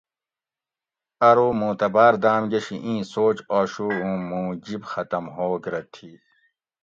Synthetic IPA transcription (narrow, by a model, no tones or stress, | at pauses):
ɐɾuːmũːt̪ɐbaːɾd̪aːmɡɐɕiʔĩːsoːt͡ɕaːɕuːɦũːmũːd͡ʑibxɐt̪ɐmɦoːɡɾɐt̪ʰi